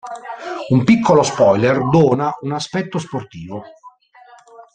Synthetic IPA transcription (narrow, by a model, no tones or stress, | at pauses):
umpikʰːolospɔjlerd̪ɔːnaunaspɛt̪ːosport̪iːvo